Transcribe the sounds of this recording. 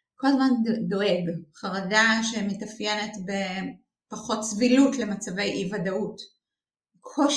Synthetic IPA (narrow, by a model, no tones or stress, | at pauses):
kolazmando̞eɡχaʁadaʃemetɐfjenetbe̞ | paχo̞tsvilutle̞mat͡save̞jʔivadaut | kʰoʃ